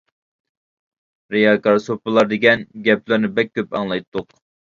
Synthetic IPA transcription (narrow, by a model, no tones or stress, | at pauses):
ɾejɑkɑɾsopɨlˠɑɾd̪ɪɡʲɛnɡʲɛplˠɪɾnɪbɛk̚ʲːøpɑ̰ŋlˠɑjt̪ʰːʊq